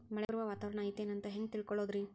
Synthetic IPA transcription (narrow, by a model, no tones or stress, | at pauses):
mɐɭeɾuʋɐʋaːt̪aːʋɾɐɳaːjt̪ːeːnɐnt̪ɐɦeŋɡ̚t̪iɭkɔɭo̞ːd̪ɾi